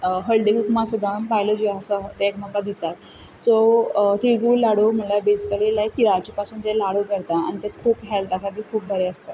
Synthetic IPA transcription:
ɦəlɖiɡukmasud̪ʱanpajlod͡ʑiasɔɦt̪eekm̤əkːad̪it̪at̪ | sot̪iɡuːllaɽom̤əlabed͡zkalelajt̪iɾat͡ɕipasuːnt̪elaɽokəɾt̪aa̰ñit̪ekʰuːpɦɛlt̪akʰat̪ikʰuːp̚bʱəɾeəst̪a

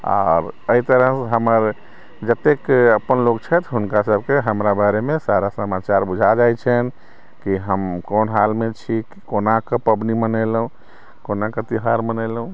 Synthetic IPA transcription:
a̰ɾəit̪əɾəɦɦəməɾ | d͡ʒət̪ekəpːənlokt͡ʃʰɛt̪ɦunkasəbʱkeɦəmɾabaɾemesaɾasəmat͡ʃaɾbud͡ʒʱad͡ʒajt͡ʃʰɛn | kiɦəmkonɦalmet͡ʃʰikikonakəpəbnimənəlũ | konakət̪iɦaɾmənɛlɦũ

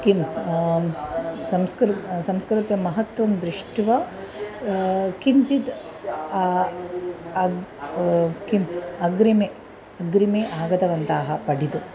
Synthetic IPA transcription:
kim | sɐmskɾsɐmskɾit̪jɐmɐɦɐt̪ʋɐmd̪ɾiʂʈʋɐ | kiɲt͡ʃit̪ː | kimɐɡɾime | ɐɡɾimeːʔaːɡɐt̪ɐʋɐnt̪aːɦɐ̆pɐɽit̪u

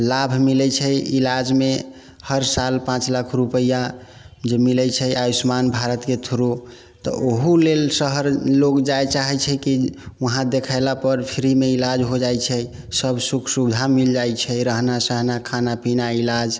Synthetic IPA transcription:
labʱmilɛt͡ʃʰɛilad͡ʒme | həɾsalpãt͡ʃlakʰɾupəja | d͡ʒemilɛt͡ʃʰɛajismanbʱaɾət̪ket̪ʰuɾo | t̪ɔ̰ʔoɦulelsəɦəɾlokd͡ʒajt͡ʃaɦɛt͡ʃʰɛkiəɦãd̪ekʰaɪlapəɾpʰiɾimeilad͡ʒɦod͡ʒajt͡ʃʰɛ | səbsukʰsuɡd͡ʒʱamild͡ʒajt͡ʃʰɛɾəɦnasəɦnakʰanapinailad͡ʒ

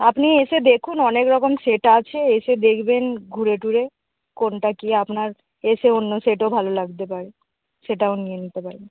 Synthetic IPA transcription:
apniesed̪ekʰunɔnekɾɔkomseʈat͡ʃʰeesed̪ekʰbenɡʱuɾeʈuɾe | konʈakiapnaɾ | eseonːoseʈobʱalolaɡt̪epaɾe | ʃeʈaonijenit̪epaɾe

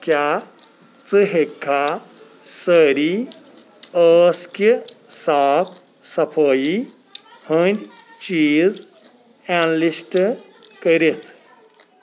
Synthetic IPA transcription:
kja | t͡sɨɦekʰːa | səɾi | əːskisaːpʰ | sɐpʰəːji | hənd̪ʲt͡ʃiːz | anlisʈ | kəɾit̪ʰ

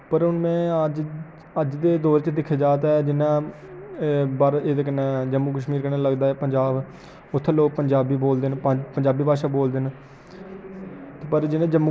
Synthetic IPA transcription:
pəɾʊnmɛ̃ːəd͡ʒ | əd͡ʒd̪eːd̪oːɾt͡ʃd̪ɪkʰːeːd͡ʒaːt̪aːɛːd͡ʒɪnãː | baːɾeːd̪aːkənãːd͡ʒəmːuk̬əʃmiːɾkənãːləɡd̪aːɛːpəɲd͡ʒaːb | ʊt̪ʰːloːk̚pəɲd͡ʒaːbiːboːld̪eːnpəɲd͡ʒaːbiːbʱaːʃaːboːld̪en | t̪ːpəɾd͡ʒɪnãːd͡ʒəmːu

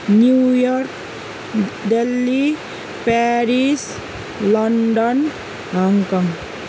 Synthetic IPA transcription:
njujɔɾk | ɖelːi | pɛɾis | lɔɳɖɔn | ɦaŋkɔŋ

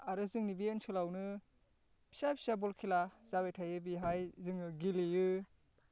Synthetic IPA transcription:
aɾɯzɯŋnibiensɯlawnɯ | pʰi̥sapʰi̥sabɔlkʰilaz̥abejtʰajɯbiɦajzɯŋɯɡilijɯ

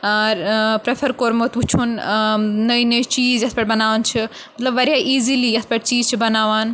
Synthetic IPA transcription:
aɾpɾefʰɐɾkoɾmot̪ut͡ʃʰunnɐinɐit͡ʃiːzjɐspɐʈbɐnaːʋnt͡ʃʰi | mɐt̪lɐbʋɐɾijaʔiːzilijɐspɐʈ̚t͡ʃiːzt͡ʃʰibɐnaːʋaːn

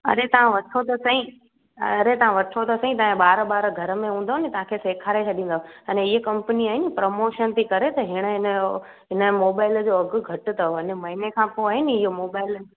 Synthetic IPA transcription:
ɐ̰ɾet̪ɐʋãʋɐʈʰot̪ɐsɐɦĩ | ɐɾet̪ɐʋ̤ãʋɐʈʰot̪ɐsɐ̃ɦĩt̪ɐɦẽɓaːɾɓaːɾɡʱɐɾə̆mẽɦũːnd̪oɦnɪt̪ɐʋãkʰeseːkʰaːɾet͡ɕʰɐɗĩːnd̪oɐneɪɦəkɐ̃mpəniaːɦɪnɪ̆pɾomoːʃənt̪ʰikɐɾet̪ɐɦɪɽ̃əɦɪnə | ɦɪnəmoːbaːɪləd͡ʑoːɐɡʊ̆ɡʱɐʈɪ̆t̪ɐoɦɪnmɐɦɪnekʰãːpoaːɦɪnɪɪɦomoːbaːɪl

